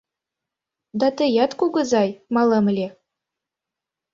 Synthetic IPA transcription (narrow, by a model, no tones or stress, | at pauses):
d̪ɑt̪ə̆jɑt̪kuɡɤ̆zɑjmɑlˠɤ̆mɘ̆lʲe